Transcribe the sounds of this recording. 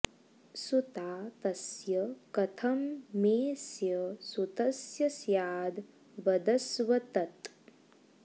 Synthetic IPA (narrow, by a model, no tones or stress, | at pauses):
sut̪aːt̪ɐsjɐkɐt̪ʰɐmːeːsjɐsut̪ɐsjɐsjaːd̪ | ʋɐd̪ɐsʋɐt̪ɐt̪